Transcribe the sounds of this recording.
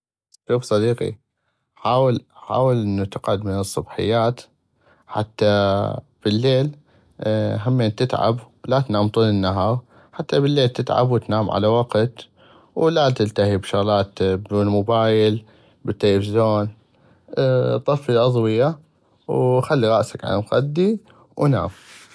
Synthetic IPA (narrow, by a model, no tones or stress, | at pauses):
ʃuːfsˤɑd̪iːqḭ | ħaːwɪlħa̰ːwɪlʔɪnːut̪ɪqʕʊd̪mɪnɨsˤːɑbħɪ̰jːaːt̪ | ħa̰t̪ːa | b̥ɪlːeːl | ɦamːeːnt̪ɪt̪ʕa̰b | lat̪naːmt̪ˤuːlɪnːaɦɑːɾ | ħat̪ːabɪlːeːlt̪ɪt̪ʕa̰bwt̪naːmʕa̰lawaqt̪ | wlat̪ɪlt̪ahibʃaɣlaːt̪bɪlmʊbaːjɪl | bɪt̪ːelfzoːn | t̪ˤɑfːiʔɑðˤwɪja | wxalːiɣɑʔsakʕa̰lmxad̪ːi | wna̰ːm